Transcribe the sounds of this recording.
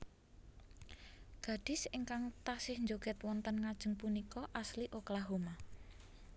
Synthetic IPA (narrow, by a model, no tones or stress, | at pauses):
ɡ̥ä̤ɖ̥ɪ̤sɪŋkaŋt̪asɪhnd͡ʒoɡ̥ɛ̤t̪wɔnt̪ənŋad̥ʒ̥ə̤ŋpunikɔʔasliʔoklaɦoma